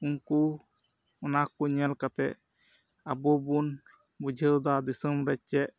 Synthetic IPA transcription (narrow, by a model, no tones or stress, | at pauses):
uŋku | ɔnakuɲɛlkat̪ɛʔ | abɔbun | bud͡ʒʱəwd̪ad̪isəmɾɛc̚t͡ʃɛʔ̚